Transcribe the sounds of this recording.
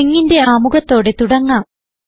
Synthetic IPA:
iŋːinde̞aːmuɣɐt̪ːo̞ːɽe̞t̪uɽɐŋːaːm

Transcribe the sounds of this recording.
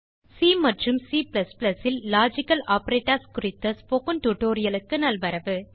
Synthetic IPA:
siːmɐʈrɯmsiːplɐsplɐsɪlːaːd͡ʒɪkːɐlaːpɐɾeːʈːɐɾskʊɾɪt̪ːɐspokɯnʈuʈoːɾɪjɐlɯkːɯnɐlʋɐɾɐʋɯ

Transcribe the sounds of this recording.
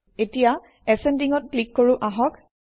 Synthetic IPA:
etija | ɛsɛndiŋɔt̚klikːoɹuʔaɦɔk

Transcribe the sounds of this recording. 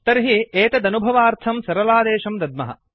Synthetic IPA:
t̪ɐɾɦieːt̪ɐd̪ɐnubʱɐʋaːɾt̪ʰɐmsɐɾɐlaːd̪eːʃɐmd̪ɐd̪̚mɐ̰ɦɐ̰

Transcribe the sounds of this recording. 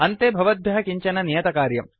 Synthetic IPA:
ɐnt̪eːbʱɐʋɐd̪̚ʋjɐɦɐkiɲt͡ʃɐnɐnijɐt̪ɐkaːɾjɐ̰m

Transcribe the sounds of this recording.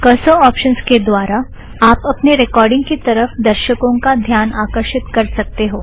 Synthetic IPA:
kəsoɔːpʃənsked̪ʋaːɾa | aːpɐpneɾɪkɔːɾɖɪ̃ŋɡkit̪ɐɾəfd̪əɾʃəkõkad̪ʱjaːnaːkəɾʃɪt̪kɐɾsɐk̚t̪eɦoː

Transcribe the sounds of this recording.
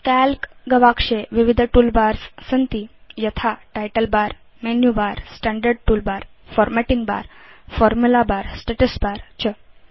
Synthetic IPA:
kælkɡəʋakʂeʋiʋid̪ʱʈuːlbaɾssənt̪ijət̪ʰaʈajʈəlbaɾ | menjubaɾsʈɛ̃ɳɖəɾɖ̚ʈuːlbaɾfɔɾmɛʈiŋɡba̰ɾfɔɾmulabaɾsʈeʈəsbaɾt͡ɕʰə

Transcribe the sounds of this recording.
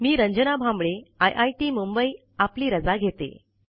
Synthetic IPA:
miːɾəɲd͡ʑənabʱambɭeajʔajʈiːmumbəi | apliːɾəd͡zaɡʱet̪ḛ

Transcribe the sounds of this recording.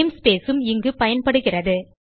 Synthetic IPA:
mspeːsɯmɪŋɡɯpɐjɐnpɐɽɯɣɪrɐðɯ

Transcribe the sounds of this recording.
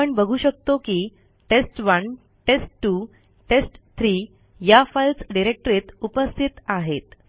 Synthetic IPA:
əɳbəɡʱuːɕək̚t̪okiː | ʈesʈʋən | ʈesʈʈːu | ʈesʈt̪ʰɾiː | jafajlt͡sɖiɾek̚ʈəɾet̪upəst̪ʰit̪aɦet̪

